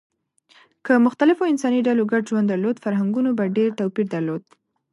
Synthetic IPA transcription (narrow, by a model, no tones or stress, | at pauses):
kəmʊxt̪alɪfoɪnsɑniɖaloɡaɖʒwand̪ːaɾlod̪faɾɦaŋɡunobaɖeɾt̪awpiɾd̪aɾlod̪̥̚